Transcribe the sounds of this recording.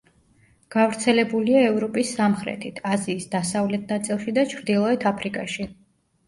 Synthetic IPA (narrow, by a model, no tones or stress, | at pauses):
ɡ̥avɾt̪sʰɛlɛbuliaɛvɾɔpʼisːamχɾɛ̰t̪ʰit̪ʰaziːsd̪asavlɛt̪̚ʰnat̪sʼilˠʃid̪at͡ʃʰɾd̪ilˠɔɛt̪ʰapʰɾikʼaʃi